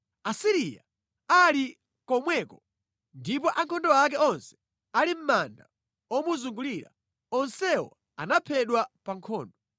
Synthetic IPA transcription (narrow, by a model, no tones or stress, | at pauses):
asiɾija̰ | ali | kɔmwɛkɔ | ndipɔʔaŋkʰɔndɔak̬ɛɔnsɛ̥ | alim̩manda | wɔmuzuŋɡuliɾa̰ | ɔnsɛwɔ̰ | anapʰɛɗwapaŋkʰɔːndɔ